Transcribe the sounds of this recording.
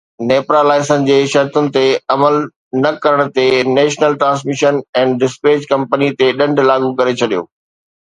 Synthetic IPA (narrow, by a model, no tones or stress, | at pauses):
neːpɾalaːɪsənɪ̆d͡ʑeːʃɐɾt̪ʊnɪ̆t̪eɐməl | nɐkɐɾəɽ̃̆t̪eneːʃnəlʈɾãːs̬mɪʃənɛ̃ːnɖɪspeːd͡ʑkɐ̃mpənit̪eɗɐ̃ɳɖʱlaːɡukɐɾet͡ɕʰɐɗijo̰ː